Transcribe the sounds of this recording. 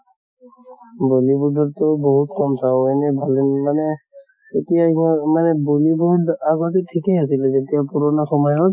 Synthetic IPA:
bolibudɔtʊboɦutkɔmsʰawɛnɛbʱalɛnmanɛ | etijamanɛbolibouaɡɔtɛtʰikɛasilɛzetijapuɹɔnaxɔmɔjɔt

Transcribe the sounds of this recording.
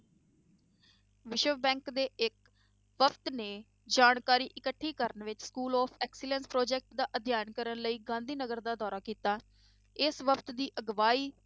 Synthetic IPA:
ʋɪʃəʋbɛ̃ːŋkd̪eːɪk | ʋəpʰt̪neː | d͡ʒaːɳkaːɾiːʔɪkəʈʰːiːkəɾənʋɪt͡ʃskuːlɔːpʰɛːksɪlə̃nspɾɔːd͡ʒɛːk̚ʈd̪aːʔəd̪ʱjaːnkəɾənləiːɡãːnd̪iːnəɡəɾd̪aːd̪ɔːɾaːkiːt̪aː | ɪsʋəpʰt̪d̪iːʔəɡʋaːiː

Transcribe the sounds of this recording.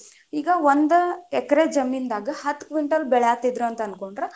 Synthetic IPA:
iːɡɐʋond̪ɐɛkɐɾed͡ʒɐmind̪aːɡɐhɐt̪ːkʋiɳʈɐlːbɛɭjaːt̪id̪ɾuɐnt̪ɐɐnkoɳɖɾe

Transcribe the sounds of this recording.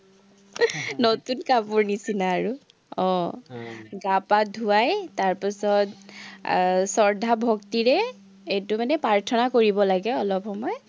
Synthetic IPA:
notunkapʊɹnisinaːɹu | ɔ̃ | ɡapadʱuajtaɹpisɔt | sɔɹdʱabʱɔktiɹɛ | etumanɛpaɹtʰɔnakoɹibɔlaɡɛɔlɔp̚xɔmɔj

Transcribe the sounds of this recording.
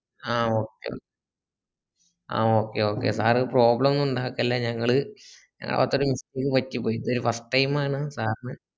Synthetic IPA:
aːo̞ːkːḛo̰ | a̰ːo̞ːkːḛo̞ːkːe̞̰saːrɨpro̞ːbɭɐmnuɳɖaːʋkːɐlːeɲɐŋːɐɭɨɲɐ̰ŋːɐ̰ɭ̰ʋa̰t̪ːoɾumisikːɨpɐtːipːoːjðo̞ɾufɐsʈːɐjmaːɳɨsaːrnɨ

